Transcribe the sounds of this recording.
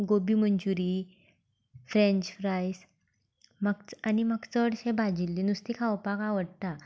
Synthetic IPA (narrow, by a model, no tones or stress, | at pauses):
ɡobimənd͡ʑuɾi | fɾẽɲt͡ɕfɾajs | məɡt͡saniməɡt͡səɽɕẽbʱad͡ʑilːinust̪ikʰawpakaʋəɽt̪a